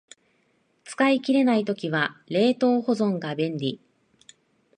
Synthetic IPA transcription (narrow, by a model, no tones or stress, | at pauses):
t͡sɨ̥kaikʲiɾe̞nait̪o̞kʲiβaɾe̞ːt̪o̞ːho̞zõ̞ŋɡabẽ̞nɾʲi